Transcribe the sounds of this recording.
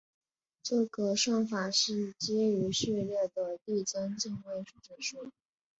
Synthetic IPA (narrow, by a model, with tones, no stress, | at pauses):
ʈ͡ʂɤ˥˩ɡə˩ʂwɑ˥˩ŋfa˨˩ʂɻ̩˥˩t͡ɕjɛ˥y˧˥ɕy˥˧ljɛ˥˩d̪ə˩t̪i˥˩t͡sə˥nt͡ɕi˥˧ŋwe˥˩ɪʈ͡ʂʰu˥˩ʈ͡ʂ̩˨˩ʂu˥